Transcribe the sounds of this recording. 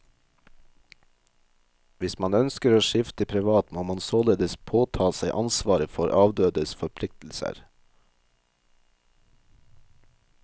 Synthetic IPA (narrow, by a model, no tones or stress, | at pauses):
ʋɪsmɑnœnskəɾoːʃɪft̪əpʰɾɪʋɑːt̪moːmɑnsoːleːd̪əspʰoːt̪ʰɑːsæɪʔɑnsʋɑːɾəfɔɾʔɑːʋd̪øːd̪əsfɔɾpʰlɪk̚t̪l̩sə̰ɾ